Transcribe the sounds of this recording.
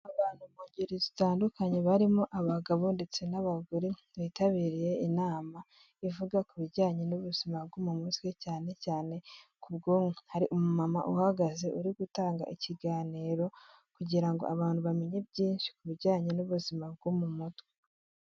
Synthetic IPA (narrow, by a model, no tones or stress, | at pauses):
aβaːn̥humuɟiɾizitaːndukaɲe̞βaɾimoʔaβaɡaβuːndit͡senaβaɡuɾi | βiːtaβiːɾije̞inaːma | ivuɡakuβiɾɟaːɲenuβuz̥imabɡumumutwecaːne̞caːne̞kubɡoːmehaɾiʔumumama̰ʔuhaɡaze̞ʔuɾiɡutaːŋɡa̰ʔiciɡaːniːɾo̞ | kuɟiɾaŋɡo̰aβaːn̥huβamiɲebɟiːnʃi̥kuβiɾɟaːɲenuβuzimab̚ɡumumutwe